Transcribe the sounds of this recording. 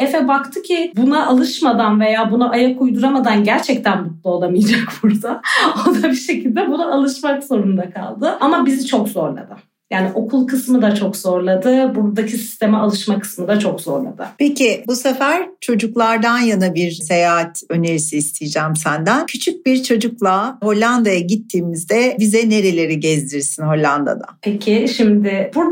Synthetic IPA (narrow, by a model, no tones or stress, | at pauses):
efɛbakt̪ʰɯcʰibunaʔalˠɯʃmad̪anve̞jaːbunaʔajakʰujd̪uɾamad̪anɟæɾt͡ʃʰɛc̚t̪ʰænbut̪̚lˠaolˠamijd͡ʒakbuɾd̪aod̪abiʃe̞cʰilʲd̪ɛbunaalˠɯʃmakzo̞ɾund̪akʰa̰lˠd̪ɯamabizit͡ʃʰo̞kzo̞ɾlˠa̰d̪ɯ | jaːniʔo̞kʰulˠkʰɯsmɯd̪at͡ʃʰo̞kzo̞ɾlˠad̪ɯbuɾd̪acʰisi̥st̪ʰe̞mɛalˠɯʃmakɯ̥smɯd̪at͡ʃʰo̞kz̥o̞̰ɾlˠa̰d̪ɯ̰pʰecibusefæɾt͡ʃʰo̞d͡ʒuklˠaɾd̪anjanabiɾse̞jaːɦat̪ʰø̞ne̞ɾisiːst̪ʰijid͡ʒæmsænd̪æncʰyt͡ʃʰyc̚biɾt͡ʃʰo̞d͡ʒuklˠaɦo̞lʲːand̪ajaɟit̪ʰːiːmizd̪ɛbizɛne̞ɾe̞lʲe̞ɾiɟɛzd̪iɾsinɦo̞lʲːand̪a̰d̪a̰pʰecʰiʃimd̪ɪbuɾ